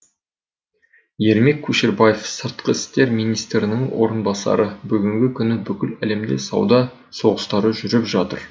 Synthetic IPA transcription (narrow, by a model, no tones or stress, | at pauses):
je̞ɾme̞kʲʰːuʃeɾbaje̞fsəɾt̪̚qəɪst̪e̞ɾmijnijst̪ɾɪnɪŋwo̞̰ɾənbɑsɑ̰ɾəbʏɡʲɪŋɡʲɪkʲʰʏnɪbʏkʲɪlæle̞md̪e̞̰sɑ̰wd̪ɑ | so̞ʁəst̪ɑɾəʒʏɾɪpʒɑt̪əɾ